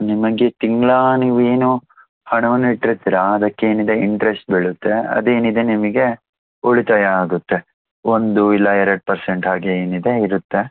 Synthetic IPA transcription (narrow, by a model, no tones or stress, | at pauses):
nimɐɡet̪iŋɡlaːniːʋue̞ːnuː | hɐɳɐʋɐnːiʈːɾit̪iɾaɐd̪ɐkːeeːnid̪eiɳʈɾesʈ̚beɭut̪ːe̞ɐ̰d̪e̞ːnid̪e̞nimɐɡe̞ | oɭit̪ajaːɡut̪ːe̞ | ond̪uilːɐɛɾɐɽ̚pɐɾseɳʈɦaːɡeeːnid̪e̞iɾut̪ːe̞